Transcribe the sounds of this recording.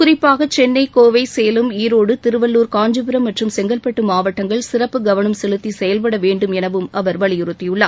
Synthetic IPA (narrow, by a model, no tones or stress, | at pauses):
kʊrɪpːaːɣɐt͡ʃɛnːɐɪkoːʋɐɪsɛjɐlɯmiːɾoːɽɯt̪ɪɾɯʋɐlːuːɾkaːɲd͡ʒɯpɯɾɐmːɐʈrɯmsɛŋɡɐlpɐʈːɯmaːʋɐʈːɐŋɡɐɭsɪrɐpːɯɡɐʋɐnɐmsɛlɯt̪ːisɛjɐlpɐɽɐʋeːɳɖɯmɛnɐʋɯmʔɐʋɐɾʋɐɭɪjɪɾɯt̪ːɪjɯɭːaː